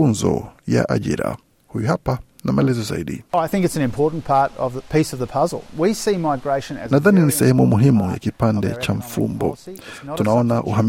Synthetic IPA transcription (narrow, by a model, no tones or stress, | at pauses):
unzɔ̰ja̰ʔaʄḭɾa̰ | hujuhapa | namaɛlɛzɔza̰iɗiaɪθɪ̃ŋkɨtsn̩ɨ̃mpʰɔɹʔn̩pʰɑɹɾʌ̰vðəpʰisʌvðəpʰʌzl̩ˠwisimaɪɡɹeɪʃɨ̃nɨnaðaninisɛ̰hɛmumuɦimuja̰kipandɛ̰t͡ʃaɱ̩fṵmbɔ̰tunaɔnaʔuham